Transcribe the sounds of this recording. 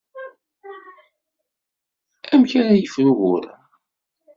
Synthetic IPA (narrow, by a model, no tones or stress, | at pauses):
æmçæɾæjəfɾuɣʊɾ